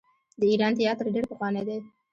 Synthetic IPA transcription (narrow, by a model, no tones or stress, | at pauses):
d̪əiɾɑnt̪ɪjɑt̪əɾɖeɾpəxwɑned̪e